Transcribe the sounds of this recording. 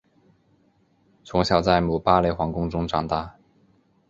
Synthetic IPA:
t͡sʰʊ˧˥ŋɕjɑ˨˩ʊt͡sa˥˩ɪmu˨˩pa˥le˧˥xwɑ˧˥ŋkʊ˥ŋʈ͡ʂʊ˥ŋʈ͡ʂɑ˨˩ŋt̪a˥˩

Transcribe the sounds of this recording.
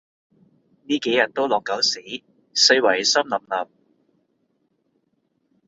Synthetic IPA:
niː˥ke˨˥jɐ˨˩t̚t̪o˥wlɔː˨˩ŋkːɐ˨˥wsi˨˥ | sɵ˧jwɐ˨˩jsɐ˥mlɐ˨˩mlɐ˨p̚

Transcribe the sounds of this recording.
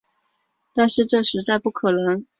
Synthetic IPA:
t̪a˥˧nʂɻ̩˥˧ʈ͡ʂɤ˥˩ʂɻ̩˧˥t͡sa˥˧ɪpu˥˩kʰɤ˨˩nə˧˥ŋ

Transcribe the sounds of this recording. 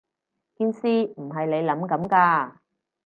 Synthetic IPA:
kiː˥nsiː˥m̩˨˩ɦɐ˨jle˨˧jlɐ˨˥mkɐ˨˥mkaː˧

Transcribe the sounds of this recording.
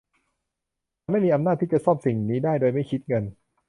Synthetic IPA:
aː˧ma˥˩jmiː˧ʔa˧mna˥˩t̪ʰːi˥˩t͡ɕa˧˩sɔː˥˩p̚si˨˩ŋniː˦˥daː˥˩jdoː˧jma˥˩jkʰi˦˥t̪̚ŋɤ˧n

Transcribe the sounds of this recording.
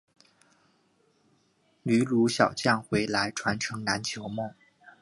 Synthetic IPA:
ny˧˥lu˧˥ɕjɑ˨˩ʊt͡ɕjɑ˥˩ŋxwe˧˥ɪla˧˥ɪʈ͡ʂʰwa˧˥nʈ͡ʂʰɤ˧˥ŋna˧˥nt͡ɕʰjo˧˥ʊmɤ˥˩ŋ

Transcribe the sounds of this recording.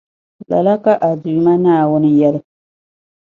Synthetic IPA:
la̰˨la˦ka˨ʔa˨du˨ma˦naː˦˨wʊ˦ni˦jɛ˦l

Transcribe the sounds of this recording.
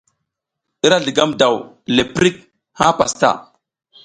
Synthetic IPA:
i˦ɾa˦ɮi˨ɡa˦mda˨w | le˨pɾi˦k̚ | ha˦pa̰˨sta̰˦˨

